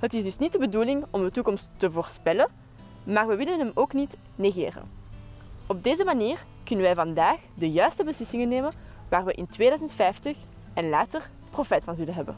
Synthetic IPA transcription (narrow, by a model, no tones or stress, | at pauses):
ɦətɪzdɵsnit̚dəbəduːlɪŋɔmdətukɔmstːəvoːrspɛlən | maːrʋəʋɪlənɦɛmoːknit | neɣḛːrə̰n | ɔb̚deːzəmaniːr | kʏnənʋɛjvɑndaːxdəjœɥstəbəslɪsɪŋənːeːmən | ʋaːrʋəʔɪntʋeːdœːzəntfɛjftəx | ɛnlaːtər | profɛːtfɑnzɵlənɦɛbə̰n